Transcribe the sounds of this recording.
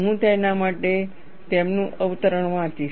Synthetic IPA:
ɦũt̪əjnamaʈe | t̪emnũʔəʋt̪əɾəɳmãt͡ʃi

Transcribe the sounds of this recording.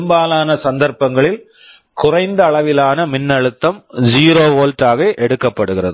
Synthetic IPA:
mbaːlaːnɐsɐnd̪ɐɾpɐŋɡɐɭɪl | kʊrɐɪnd̪ɐːɭɐʋɪlaːnɐmɪnːɐɻɯt̪ːɐmd͡ʒiːɾoːʋoːlʈaːɣɐʔɛɽɯkːɐpːɐɽɯɣɪrɐðɯ

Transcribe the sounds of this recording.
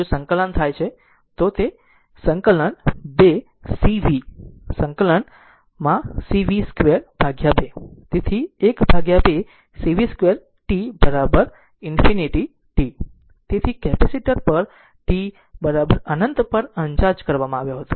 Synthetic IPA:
d͡ʒosəŋkələnt̪ʰajt͡ʃʰe | t̪ot̪e | səŋkələɳbe | siʋisə̃ŋkələɳ | mãsiʋiskʋeɾb̥ʱaɡjabet̪et̪ʰiekbʱaɡjabe | siʋiskʋeɾ | ʈibəɾabəɾ | ɪnfiniʈi | ʈi | t̪et̪ʰikɛpɛsiʈəɾpəɾ | ʈi | bəɾabəɾənənt̪pəɾəɲt͡ʃaɾd͡ʒkəɾʋamãaʋjoɦət̪o̥

